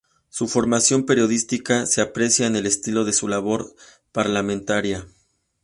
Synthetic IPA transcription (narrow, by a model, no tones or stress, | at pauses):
sufo̞ɾmasjo̞mpe̞ɾjo̞ðist̪ikase̞apɾe̞sjaene̞le̞st̪ilo̞ðe̞sulaβ̞o̞ɾ | paɾlamẽnt̪aɾja